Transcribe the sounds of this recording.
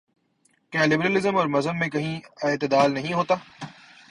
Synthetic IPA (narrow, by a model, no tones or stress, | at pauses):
kjaːlɪbɾəlɪzəmɔːɾmɐzənmẽkɐɦĩeːt̪ɪd̪aːlnɐɦĩɦoːt̪aː